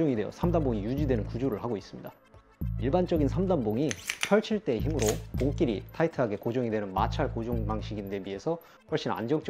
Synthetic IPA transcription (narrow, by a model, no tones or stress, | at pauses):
ʌŋidwe̞jʌ̰sʰamdamboŋijud͡ʑidwe̞nɯnkud͡ʑoɾɯɭhaɡois͈ɯmɲida | iɭbant͡ɕ͈ʌɡinsʰamdanboŋiɕʰʌɭt͡ɕʰiɭt͈e̞ːçimɯɾopoŋk͈iɾitʰaitʰɯɦaɡe̞kod͡ʑʌŋidwe̞nɯnma̰t͡ɕʰaɭkod͡ʑʌŋbaŋɕʰiɡinde̞bie̞sʰʌ | ɸʌɭɕ͈ina̰nd͡ʑʌŋt͡ɕ͈